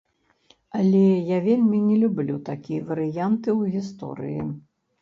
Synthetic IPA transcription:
ɐlʲɛjavʲelʲmʲinʲɛlʲublʲut̪akʲijɐvɐɾɨjant̪ɨwɣʲist̪ɔ̰ɾɨ̰jḭ

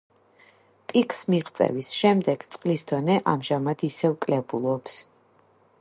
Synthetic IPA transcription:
pʼikʰʼsmiʁt̪sʼɛ̰visʃɛmd̪ɛɡ̥t̪sʼqʼlisd̪̥ɔnɛʔamʒamad̪isɛvkʼlɛbulˠɔps

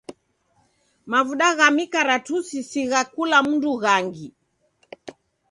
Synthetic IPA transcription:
mavuɗaɣamikaɾatusisiɣakulamunduɣaŋɡi

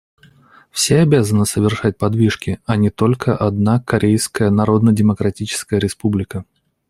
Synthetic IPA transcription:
fsʲeɐbʲazənɨsəvʲɪrʂat̚ʲpɐd̪vʲiʂkʲɪɐnʲɪt̪o̞lʲkʰəʔɐd̪nakɐɾʲejskəjənɐɾo̞d̪nədʲɪməkɾɐtʲit͡ɕɪ̥skəjəɾʲɪspublʲɪkə

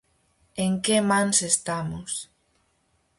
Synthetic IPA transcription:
eŋkemãnsest̪amos

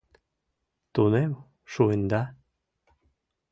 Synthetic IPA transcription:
t̪unew | ʃuend̪a

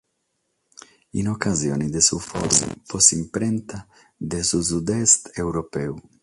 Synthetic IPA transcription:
ḭnokazjo̰ːnid̪esufɔ̰ɾṵmfosimpɾɛnt̪a | d̪esusud̪ɛst̪ewɾopɛːu

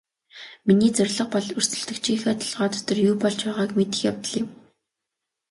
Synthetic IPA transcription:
miniːt͡sœrʲɮə̆q̚pɔɮɵrsɵ̆ɮt̪ɵ̆kt͡ɕʰiːŋxœːt̪ʰɔ̥ɮʁɔːt̪ʰɔ̥t̪ɞ̆rjuːpɔɮt͡ɕpæːʁaːkmet̪ɘ̆xja̰wt̪ə̆ɮjɪ̆m

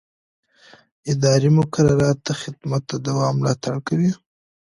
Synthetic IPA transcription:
ɪd̪ɑɾimʊkaɾaɾɑt̪ːaxɪd̪mat̪ːad̪awɑmːlɑt̪aɽkawi

